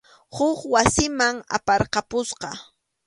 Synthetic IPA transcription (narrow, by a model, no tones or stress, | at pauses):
hʊχwasɪmaŋa̰pɑɾqɑpʊsqɑ